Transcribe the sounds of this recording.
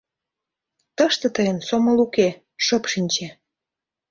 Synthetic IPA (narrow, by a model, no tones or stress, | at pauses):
t̪əʃt̪ə̆t̪əjənsoməluke | ʃɤpʃinʲt͡ɕe